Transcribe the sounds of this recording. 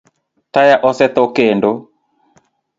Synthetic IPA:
tajaʔɔsɛt̪okendo

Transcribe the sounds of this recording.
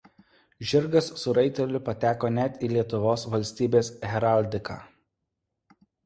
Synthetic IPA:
ʒʲɪɾɡɐsːʊɾɐɪt̪ʲɛlʲʊpɐt̪ʲæːkoːnʲæt̪ʲiːlʲiɛt̪ʊʋoːsʋɐlʲsʲt̪ʲiːbʲeːsɦʲɛɾaˑlʲd̪ʲɪkɑ̰ː

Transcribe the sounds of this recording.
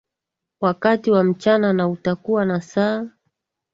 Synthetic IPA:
wakatiwam̩t͡ʃananautakuwanasaː

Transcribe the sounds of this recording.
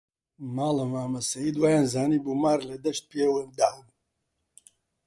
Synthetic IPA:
maːlɐmaːmɐsɐjid̪waːjaːnzaːnibumaːɾled̪ɐʃt̪̚pewɨnd̪am

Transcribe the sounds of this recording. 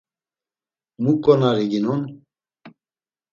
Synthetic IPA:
mukʼːɔnaɾiɡinun

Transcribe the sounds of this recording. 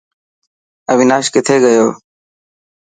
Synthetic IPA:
əʋinaːʃkɪt̪ʰeːɡəjoː

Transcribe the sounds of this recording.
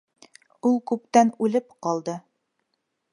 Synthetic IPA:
ulˠkʉpt̪ænʉlɘpqɑlˠd̪ɤ

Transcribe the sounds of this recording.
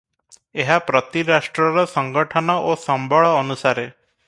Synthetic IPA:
eɦapɾɔt̪iɾasʈɾɔɾɔsɔŋɡɔʈʰɔnɔʔosɔmbʱɔɭɔːnusaɾe

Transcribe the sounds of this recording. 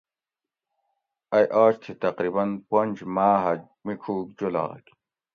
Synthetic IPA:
ɐjʔaːɕt̪ʰit̪ɐqɾibɐnpond͡ʑmaːɦɐ | mikʰuːk̚d͡ʑola̰ːk

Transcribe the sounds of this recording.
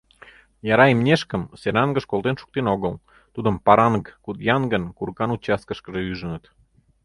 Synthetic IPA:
jɑɾɑemnʲeʃkəmseɾɑŋɡə̆ʃkolt̪enʃu̥k̚t̪enoɣəl | t̪ud̪ə̆mpɑɾɑnkkut̪jɑnɡənkuɾkɑnut͡ɕɑs̚kəʃkəʒĕyʒənət̪

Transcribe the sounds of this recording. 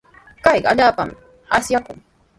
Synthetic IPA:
kajɢaʎaːpa̰m | asjakʊŋ

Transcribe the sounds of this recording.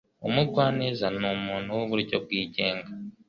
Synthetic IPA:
o̰mwiːɡwaːnezanomuːn̤uwoβuɾicob̚wiːɟeːŋɡa

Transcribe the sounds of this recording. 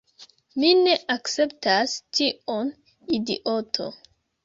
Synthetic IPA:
mine̞ʔakt͡se̞ptastion | idḭʔotʰo̰

